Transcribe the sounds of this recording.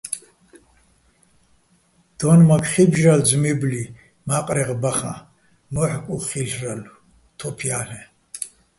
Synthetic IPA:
d̪̥ɔnmakʰχibʒɾald͡zmibli | maqʼɾɛʁbaχa̰ | mɔħkʼuχiɬralu | t̪ʰɔpʰjahɛ

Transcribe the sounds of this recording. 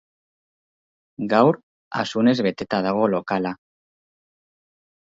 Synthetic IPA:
ɡawɾ | a̰sune̞zβet̪et̪að̞aɣ̞olokala

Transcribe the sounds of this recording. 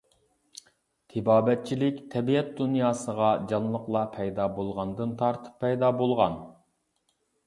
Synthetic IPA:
t̪ʰɪbɑːbɛt̪̚t͡ʃʰilɪkʲt̪ʰɛbiɛt̪̚d̪unjɑːsəʁɑd͡ʒɑnlˠəqlˠɑpʰɛjd̪ɑbolˠʁɑnd̪ɨnt̪ʰɑɾt̪ʰɨ̥pʰːɛjd̪ɑbolˠʁɑn

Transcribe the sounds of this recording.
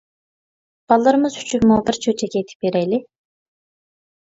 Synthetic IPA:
b̥ɑlˠːɨɾɨmɨzhy̥t͡ʃʰykmubɪɾt͡ʃʰøt͡ʃʰɛkʲɛt̪ʰɪ̥pveɾɛjlɪ

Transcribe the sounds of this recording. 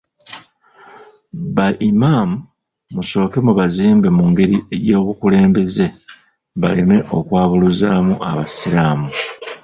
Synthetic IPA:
βaʔimaːmu | muso̞ːke̞muβaziːmbe̞muːŋɡe̞ɾiejo̞ːβukule̞ːmbe̞ze̞ | βaleme̞ʔo̞kwaːβuluzaːmuʔaβasiɾaːmu

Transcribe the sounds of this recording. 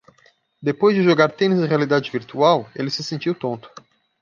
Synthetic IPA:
d̪epojzd͡ʒɪʒoɡaɾt̪ẽnizɪʁealid̪ad͡ʒɪviɾt̪uawelɪsɪsẽnt͡ʃiwt̪õnt̪ʊ̥

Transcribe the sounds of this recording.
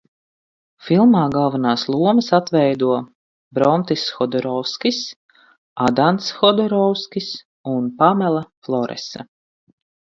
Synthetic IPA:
filˠmaːɡalˠvanaːslˠuɔməsat̪vɛjd̪uɔ | bɾɔnt̪isxɔd̪ɔɾɔwskʲis | ad̪ant̪sxɔd̪ɔɾɔwskʲis | unpamɛlˠaflˠɔɾɛ̰sa̰

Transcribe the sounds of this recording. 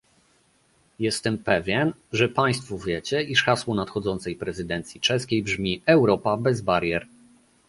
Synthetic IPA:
jɛst̪ɛmpɛvʲjɛn | ʐɛpaj̃st̪fɔvʲjɛt͡ɕɛiʂxaswɔnat̪xɔd̪zɔnt̪sɛjpɾɛzɘd̪ɛnt̪sʲjit͡ʂɛskʲejbʐmʲiɛwɾɔpabɛzbaɾʲjɛɾ

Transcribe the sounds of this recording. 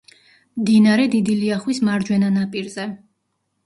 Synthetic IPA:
md̪inaɾɛd̪id̪iliaχwismaɾd͡ʒwɛnanapʼiɾzɛ

